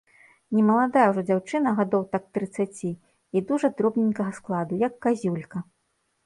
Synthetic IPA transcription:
nʲɛmɐlˠad̪ajɛwʐɔd͡zʲawt͡ʂɨnɐɣad̪ɔwt̪ak̚t̪ɾɨt̪sːat͡sʲi | id̪uʐɐd̪ɾɔbnʲinʲkɐɣɐsklˠad̪ujɐkːazʲulʲkɐ

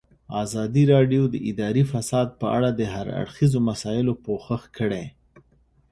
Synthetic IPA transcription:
ɑzɑd̪iɾɑɖjod̪əʔɪd̪ɑɾifasɑd̪̚pəʔa̰ɽad̪əɦaɾa̰ɽxizomasɑjɪlopoxəxkəɽe

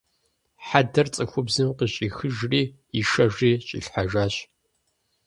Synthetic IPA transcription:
ħadɐrt͡sʼɨxʷʊbzɨmqəɕʼiːxɨʒriː | iʃɐʒiːɕʼḭɬħaʒaːɕ

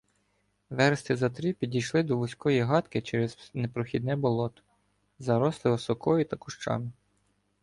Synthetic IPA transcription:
ʋɛɾst̪ɪzɐt̪ɾipʲidʲijʃlˠɪd̪ɔlˠʊsʲkɔjiɦɑt̪kɪt͡ʃɛɾɛznepɾɔxʲid̪̚nɛbɔlˠɔt̪ɔ̥ | zɐɾɔslˠɪʋɪsɔkɔjit̪ɐkʊʃt͡ʃɑ̰mɪ

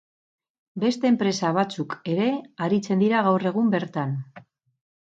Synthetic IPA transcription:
be̞st̪e̞ːmpɾe̞saβ̞at͡suke̞ɾe̞aɾit͡se̞nd̪iɾaɣ̞awre̞ɣ̞umbe̞ɾt̪an

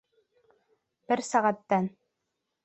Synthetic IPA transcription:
bɘɾsæʁæt̪ːæn

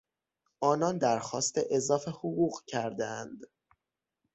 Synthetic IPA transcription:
ʔɒːnɒːnd̪æɾxɒːst̪eʔezɒːfe̞hoɣuːɣcʰæɾd̪eænd̪

